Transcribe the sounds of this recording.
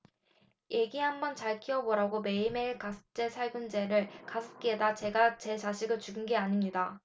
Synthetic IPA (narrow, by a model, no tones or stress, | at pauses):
je̞ɡiɦambʌnt͡ɕaɭkʰiʌboɾaɡome̞ime̞iɭkasʰɯ̥t͡ɕ͈e̞sʰaɭɡɯnd͡ʑe̞ɾɯɭkasʰɯ̥k͈iedat͡ɕe̞ɡat͡ɕe̞t͡ɕaɕʰiɡɯɭt͡ɕuɡɯnɡe̞aɲimɲida